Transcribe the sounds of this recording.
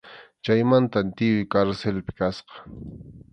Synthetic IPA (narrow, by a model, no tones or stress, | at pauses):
t͡ʃajmant̪ant̪ɪjʊjkaɾselpɪ̥kasqɑ̥